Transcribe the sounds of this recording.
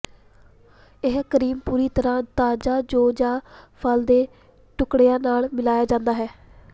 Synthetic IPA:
ɪɦkəɾiːmpuːɾiːt̪əɾãːt̪aːd͡ʒaːd͡ʒoːd͡ʒãːpʰəld̪eː | ʈʊkɽejãːnaːlmɪlaːjaːd͡ʒãːnd̪aːɦɛː

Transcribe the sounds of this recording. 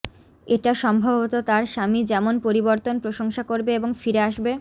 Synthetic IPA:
eʈaʃɔmbʱabot̪ot̪aɾʃamid͡ʑɛmonpoɾiboɾt̪onpɾoʃoŋʃakoɾbeeboŋfiɾeaʃbe

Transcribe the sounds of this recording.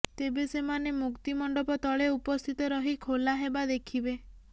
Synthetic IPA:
t̪ebesemanemukt̪imɔɳɖɔpɔt̪ɔɭeupɔst̪ʰit̪ɔɾɔɦikʰolaɦebad̪ekʰibe

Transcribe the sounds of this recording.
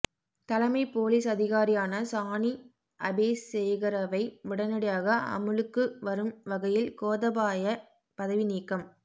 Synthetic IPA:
t̪ɐlɐmɐɪpoːliːsɐðɪɣaːɾɪjaːnɐsaːɳi | ʔɐbeːssɛjɣɪɾɐʋɐɪʋɪɽɐnɐɽɪjaːɣɐʔɐ̰mɯlɯkːɯʋɐɾɯmʋɐɣɐjɪlkoːðɐbaːjɐ | pɐðɐʋɪniːkːɐm

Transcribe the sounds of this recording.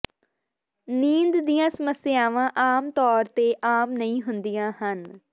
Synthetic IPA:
niːnd̪d̪ijãːsəməsɪjaːʋãːʔaːmt̪ɔːɾt̪eːʔaːmnəĩːɦʊnd̪ijãːhən

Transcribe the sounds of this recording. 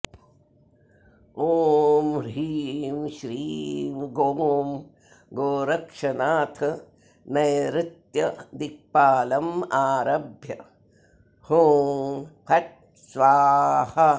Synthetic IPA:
oːmɾiːmʃɾimɡoːm | ɡoːɾɐkʂɐnaːt̪ʰɐ | nɐjɾɪt̪jɐd̪ik̚paːlɐmaːɾɐbʱjɐ | hoːmpʰɐʈ̚ | sʋaːhɐ

